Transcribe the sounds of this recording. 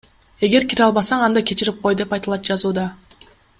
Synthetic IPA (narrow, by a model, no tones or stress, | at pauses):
e̞ɡe̞ɾkʲiɾɑlˠβɑsɑɴɑnd̪ɑkʲʰe̞t͡ʃiɾip̚qo̞jd̪e̞pɑjt̪ɑlˠɑt̪̚d͡ʒɑzuːd̪ɑ